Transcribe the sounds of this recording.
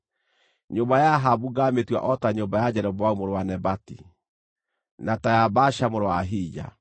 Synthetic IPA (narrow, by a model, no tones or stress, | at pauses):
ɲoːmbajaɦabuɡametwa̰ʔɔtaɲombajad͡ʑɛɾɛbwaumoɾowanɛbatḭ | natajabaʃamoɾowaɦiːd͡ʒa̰